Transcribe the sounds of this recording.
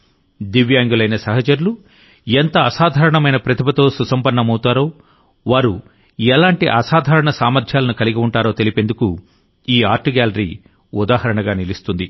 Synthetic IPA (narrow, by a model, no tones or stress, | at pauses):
d̪iʋjaːŋɡulɐjnɐsɐɦɐt͡ʃɐɾulu | ent̪ɐːsaːd̪ʱaːɾɐɳɐmɐjnɐpɾɐt̪ʰibɐt̪o̞ːsusɐmpɐːɐmɐwut̪aːɾo̞ː | ʋaːɾu | ɛlaːɳʈiʔɐsaːd̪ʱaːɾɐɳɐsaːmɐɾd̪ʰʱjaːlɐnukɐliɡiuɳʈaːɾo̞ːt̪e̞lipe̞nd̪uku | iːaːɾʈuɡaːlɐɾḭː | ud̪aːhɐɾɐɳɐɡaːnilist̪und̪i